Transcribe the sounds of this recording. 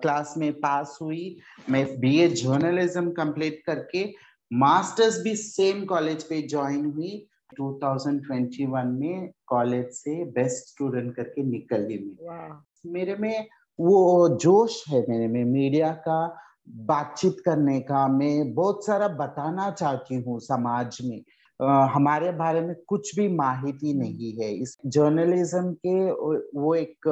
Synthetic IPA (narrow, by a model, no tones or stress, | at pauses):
klaːsmẽpaːsɦuimɛ̃biːed͡ʒəɾnəlɪzəmkə̃mpliːʈ̚kɐɾke | maːsʈəɾzbʱiseːmkɔːleːd͡ʒped͡ʒɔːɪnɦʊi | ʈuːt̪ʰaːʊzə̃ɳɖʈwɛ̃ɳʈiʋənmẽkɔːleːd͡ʒsebɛsʈsʈuːɖə̃ɳʈ̚kɐɾkenɪkəlːiɦuiː | meːɾemẽ | ʋod͡ʒoːʃɦɛmeːɾemẽmiːɖijaka | baːt̪̚t͡ʃiːt̪kɐɾnekamɛ̃bɔːt̪saːɾabɐt̪aːnat͡ʃaːɦt̪iɦũsɐmaːd͡ʒmẽ | ɦɐmaːɾebʱaːɾemẽkʊt͡ʃʰbʱimaːɦɪt̪inɐɦĩɦɛɪsd͡ʒəɾnəlɪzəmkeʋoeːk